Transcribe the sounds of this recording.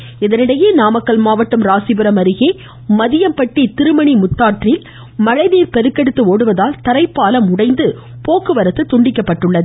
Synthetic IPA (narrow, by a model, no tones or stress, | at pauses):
ɪðɐnɪɽɐjeːnaːmɐkːɐɭmaːʋɐʈːɯmɾaːsɪbɯɾɐmɐɾɯɣeː | mɐðɪjɐmpɐʈːit̪ɪɾɯmɐɳimʊt̪ːaːʈrɪl | mɐɻɐɪðɪjɪlpɛɾɯkːɐɽɯt̪ːɯoːɽɯʋɐðaːlt̪ɐɾɐɪpːaːlɐmʊɽɐɪnd̪ɯ | poːkɯʋɐɾɐt̪ːɯt̪ːʊɳɖɪkːɐpːɐʈːɯɭːɐðɯ